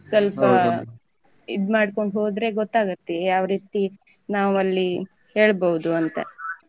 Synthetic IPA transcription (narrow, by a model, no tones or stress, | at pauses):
sɐlpɐ | ḭd̪maːɖkoɳɖɦoːd̪ɾe̞ɡɔt̪ːaːɡɐt̪ːejaːʋɾiːt̪i | naːʋuɐlːi | he̞ːɭbɐʋud̪uɐnt̪ɐ̰